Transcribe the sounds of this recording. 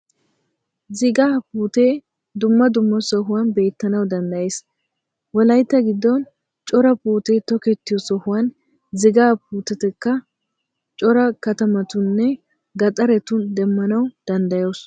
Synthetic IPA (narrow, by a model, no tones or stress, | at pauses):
zɪɡaːpuːt̪eː | d̪ʊmːɐd̪ʊmːɐsɔɦʊwɐnbe̞ːt̪ːɐnɐwd̪ɐnd̪ɐjes | wɔlɐjt̪ːɐɡɪd̪ːɔn | t͡ʃʼɔɾɐpuːt̪eːt̪ɔkɛt̪ːɪjɔsɔhʊwɐn | zɪɡaːpuːt̪ɛt̪ɛkːɐ | t͡ʃʼɔɾɐkɐt̪ɐmɐt̪ʊnːɛ | ɡɐt̪ʼɐɾɛt̪ʊnd̪ɛmːɐnɐwd̪̥ɐnd̪ɐjoːs